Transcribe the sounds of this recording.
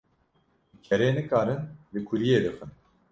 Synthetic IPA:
cʰɛɾeːnɨkaːɾɨnlɨkʰuɾijeːd̪ɨxɨn

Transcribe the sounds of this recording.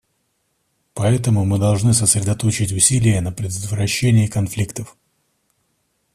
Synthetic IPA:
pɐɛt̪əmʊmɨd̪ɐlˠʐnɨsəsɾʲɪd̪ɐt̪o̞t͡ɕɪtʲʊsʲilʲɪjənəpɾʲɪd̪ət̪vɾɐɕːenʲɪjəkɐnflʲikt̪əf

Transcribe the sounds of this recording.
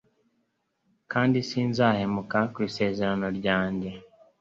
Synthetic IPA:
kaːndisiːnzaːhemukakwiːse̞ːze̞ɾano̞ɾɟaːɲɟe̞

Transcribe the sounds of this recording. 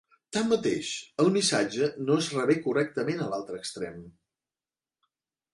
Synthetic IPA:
t̪amːət̪ḛʃəlˠmisad͡ʒənoəzrəβɛkurɛk̚t̪əmenəlalˠt̪ɾəkst̪ɾɛ̰m

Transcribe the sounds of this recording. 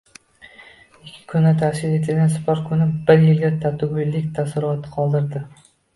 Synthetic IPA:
ɪkʲʰːɪ̥kʰʊnːɪt̪ʰasʲɪle̞t̪ʰɪlɡʲansɪ̥paɾ̚kʰʊnɪbɪɾjɪlɡʲat̪ʰat̪ʰʊɡʊjlːɪkʲt̪ʰasɪɾɒt̪ʰqʰɒlˠd̪ɪɾd̪ɪ

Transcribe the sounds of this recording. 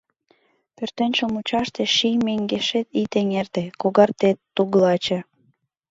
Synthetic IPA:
pørt̪enʲt͡ɕomut͡ɕɑʃt̪eʃijmeŋɡeʃet̪it̪eŋert̪ekoɣɑrt̪et̪ːuɣlɑt͡ɕe

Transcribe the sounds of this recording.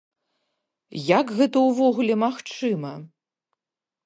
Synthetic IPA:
jakɣɛt̪ɐwvɔɣulʲɛmaxt͡ʂɨmɐ

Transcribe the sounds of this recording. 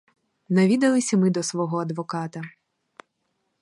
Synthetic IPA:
nɐʋʲid̪ɐlˠɪsʲɐmɪd̪ɔsʋɔɦɔɐd̪ʋɔkɑt̪ɐ

